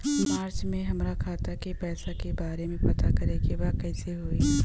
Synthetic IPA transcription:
maːɾt͡ʃmẽɦɐmɾakʰaːt̪akepɛːsakebaːɾemẽpɐt̪akɐɾekebaːkɛːseɦoːe

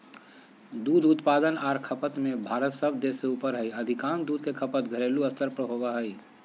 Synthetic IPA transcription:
d̪ud̪ut̪pad̪ənaːɾkʰəpət̪mebʱaɾət̪səbd̪eseupəɾɦəjəd̪ʱikaːnd̪ud̪ʱkekʰəpət̪ɡʱəɾeluəst̪əɾpɾəɦobaɦəj

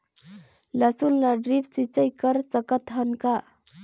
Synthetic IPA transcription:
ləsulːaɖɾift͡sit͡səjkəɾt͡səkət̪ɦənka

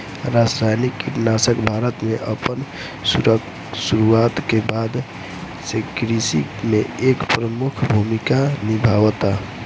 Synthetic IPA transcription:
ɾasɾajnikːinasəkbʱaɾət̪meʔəpən | s | suɾuat̪kebad̪ | sekɾisimeekpɾəmukʰbʱumikanibʱaʋt̪a

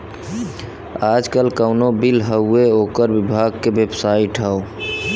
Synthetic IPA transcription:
ad͡ʒkəlkəʊnobilɦəueoːkəɾbibʱaɡkeʋebsaiʈɦəo

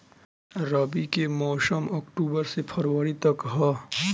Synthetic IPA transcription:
ɾabikemɔːsəmɔːkʈuːbəɾsepʰɐɾwəɾit̪ɐkɦa

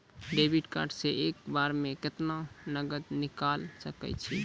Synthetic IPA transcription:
ɖebʱiʈka̰ɾɖseʔekbaɾmẽket̪nanəɡəd̪nikalsəkɛ̰t͡ʃʰi

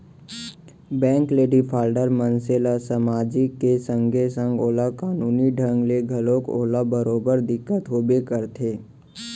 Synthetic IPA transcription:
bɛ̃ːŋkleːɖipʰaːlɖəɾmənseːlasəmaːd͡ʒikːesə̃ŋɡʱesə̃ŋɡoːlakaːnuːniɖʱə̃ŋɡleɡʱəlõko̰ːlabəɾoːbəɾd̪ɪkːət̪ɦoːbekəɾt̪ʰeː

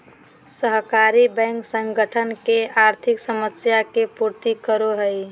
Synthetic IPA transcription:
səɦkaɾibɛ̃ŋksə̃ŋɡəʈʰənkeaɾt̪ʰɪksəməsjakepuɾt̪ikəɾoɦəj

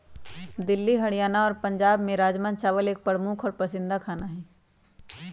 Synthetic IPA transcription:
d̪ɪlːiɦɐɽijaːnaɔːɾpɐ̃ɲd͡ʒaːbmẽɾaːd͡ʒmãnt͡ʃaːʋəleːk̚pəɽmuːkʰɔːɾpɐsɪ̃nd̪akʰaːnaɦɛː

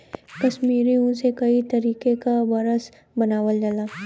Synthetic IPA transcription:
kɐʃmiːɾiõsekɐit̪ɐɾiːkekabɐɾəs | bɐnaːʋəld͡ʒalaː

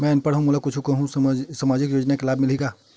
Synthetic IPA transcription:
mɛ̃npɐɽɦũmʊlakʊt͡ʃʰukɐɦũssamaːd͡ʒɪkjoːd͡ʒnakelaːbmɪliɡaː

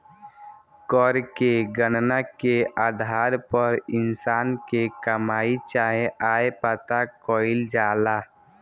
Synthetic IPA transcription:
kɔɾkeɡənnakeaːd̪ʱaːɾpəɾɪnsaːnkekəmaːit͡ʃaːɦeʔaːepət̪akɔːɪld͡ʒaːlaː

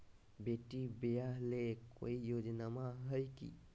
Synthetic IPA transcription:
beʈːibejaleko̰ijod͡ʒənamaɦəjkḭ

